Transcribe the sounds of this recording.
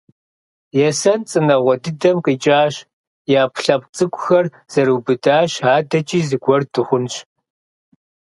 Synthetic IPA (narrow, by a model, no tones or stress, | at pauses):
jɛsɐnt͡sʼɨnɐʁʷɔdɨdɐmqiːt͡ʃʼaːɕ | jaːpʰɬɐpʼt͡sʼɨkʷʼʊxɐr | z̥ɐɾuːbɨdaːɕaːdɐt͡ʃʼiːzɨɡʷɔrdɨχʷʊnɕ